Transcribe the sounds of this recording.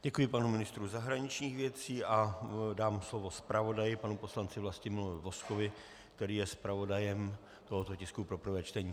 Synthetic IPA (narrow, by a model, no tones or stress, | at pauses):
ɟɛkujɪpanumɪnɪst̪ɾuzaɦɾaɲɪt͡ʃɲiːxvjɛt͡siːʔadaːmslo̞vo̞spɾavo̞dajɪpanupo̞slant͡sɪvlascɪmɪlovɪvo̞sko̞vɪ | kt̪ɛɾiːjɛspɾavo̞dajɛm | t̪o̞ɦot̪o̞cɪskupɾo̞pr̩vɛːt͡ʃt̪ɛɲiː